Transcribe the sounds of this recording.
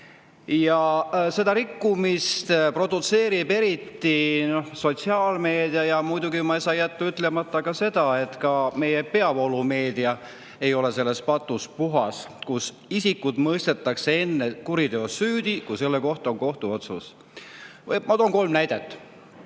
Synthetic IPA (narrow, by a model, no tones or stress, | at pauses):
jɑse̞d̪ɑɾikˑːumist̪pro̞d̪̥ut̪se̞ːɾibe̞ɾit̪ːino̞hso̞t̪siɑːlme̞ːd̪̥iɑjɑmujd̪uɡimɑesɑjæt̪ːuyt̪ːˑle̞mɑt̪ːɑkɑse̞d̪̥ɑe̞t̪kɑme̞jepe̞ɑvo̞lume̞ːd̪iɑ | e̞jo̞le̞se̞lːe̞spɑt̪ːˑuspuɦɑ̰skus | isikːˑud̪̥mɤjst̪e̞t̪ːˑɑksee̞nːekuɾid̪eo̞syːd̪̥ikuse̞lːeko̞ht̪ɑoŋko̞ht̪uo̞t̪sus | mɑt̪oːŋko̞lmnæjd̪̥et̪ːˑ